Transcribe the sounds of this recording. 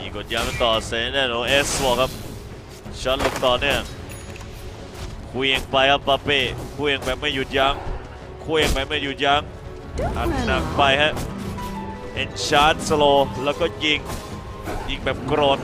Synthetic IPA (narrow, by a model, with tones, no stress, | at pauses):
ji˨˩ŋko˨˩t̪̚jaː˧˦˥ŋa˧˩t̪ɔː˨˩se˨˧˦naː˥˩nʔoː˧ʔeː˦˥soː˧˩kʰa˦˥p̚ | t͡ɕʰɔː˦˥lu˧˩k̚t̪ɔː˨˩nɯ˥˩əŋ | kʰuː˧je˧ŋpa˧jkʰa˦˥p̚pa˧peː˧˩kʰuː˧je˧ŋbɛː˨˩p̚ma˥˩ju˨˩t̪̚ja˧˦˥ŋ | kʰuː˧je˧ŋba˧jma˥˩ju˨˩t̪̚ja˦˥ŋ | ʔa˨˩t̪̚na˨˩ŋ̚pa˧jhɛ˦˥ | ʔe˧nɕʰaː˦˥˨nsloː˧lɛː˦˥wkɔː˥˩ji˧ŋ | ji˧ŋbɛː˨˩p̚kɾoː˧˩t̪̚